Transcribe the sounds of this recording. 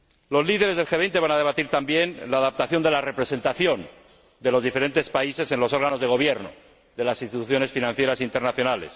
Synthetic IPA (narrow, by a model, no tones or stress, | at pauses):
lo̞zliðeɾezðe̞lxeejnt̪eβanað̞e̞β̞at̪iɾt̪ambje̞nlaːðap̚t̪aθjo̞nd̪e̞lare̞pɾe̞se̞nt̪aθjo̞n | d̪elo̞zðife̞ɾe̞nt̪e̞spaise̞se̞nlo̞so̞ɾɣano̞zðeɣ̞o̞β̞jeɾno̰ | ðe̞lasinst̪it̪uθjo̞ne̞sfinãnθjeɾasint̪e̞ɾnaθjo̞nale̞̰s